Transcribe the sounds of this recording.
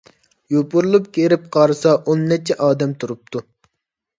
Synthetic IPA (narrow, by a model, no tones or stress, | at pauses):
jopʊɾlˠup̚kʲeɾɪp̚qʰɑɾɨsɑʔonːɛt͡ʃʰɛʔɑːd̪ɛmt̪ʰuɾup̚t̪ʰu